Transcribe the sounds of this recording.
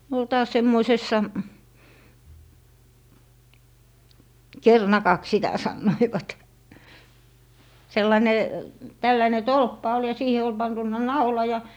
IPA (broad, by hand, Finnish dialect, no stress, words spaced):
ne ol tɑːs semːoisesːɑ kernɑkɑks sitæ sɑnːoiʋɑt selːɑne tælːæne tolpːɑ ol jɑ siːhe ol pɑntunːɑ nɑulɑ jɑ